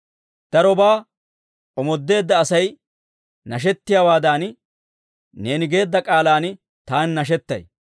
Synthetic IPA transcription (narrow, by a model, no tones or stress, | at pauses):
d̪̥ɐɾɔbaː | ʔɔmɔd̪ːe̞ːd̪ːɐːsɐj | nɐʃ̬ɛt̪ːɪjaːwaːd̪aːn | ne̞ːnɪɡe̞ːd̪ːɐkʼaːlaːn | t̪aːnːɐʃ̬ɛt̪ːɐ̰j